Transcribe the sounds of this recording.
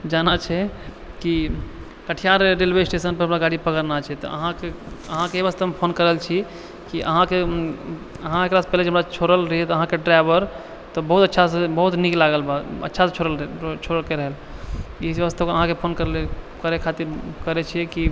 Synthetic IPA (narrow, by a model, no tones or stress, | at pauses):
d͡ʒanat͡ʃʰɛ | ki | kəʈʰijaɾɾelbesʈesənpəɾɦəmɾaɡaɽipəkəɾnat͡ʃʰɛt̪ɔ̰ə̰ɦãkeəɦãkeebəst̪ʰəmepʰonkəɾəlt͡ʃʰi | kiʔə̰ɦãke | əɦãekɾase̥pɛɦled͡ʒəmɾat͡ʃʰoɾəlɾəɦɛt̪ɔəɦãkeɖɾajbəɾ | t̪ɔbəɦut̪ətːʃʰasebəɦut̪niklaɡəlbaə̰tːʃʰaset͡ʃʰoɾəlt͡ʃʰoɾəlkeɾəɦəl | isəst̪ʰəkəɦãkepʰonkəɾlekəɾekʰat̪iɾkəɾɛt͡ʃʰijɛki